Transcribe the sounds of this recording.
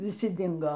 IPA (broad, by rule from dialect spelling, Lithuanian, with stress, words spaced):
ʋʲɪˈsʲɪ ˈdʲɪŋɡoː